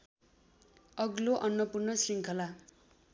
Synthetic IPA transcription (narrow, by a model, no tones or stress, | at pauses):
ʌɡloʔʌnːʌpurnʌsiŋkʰʌla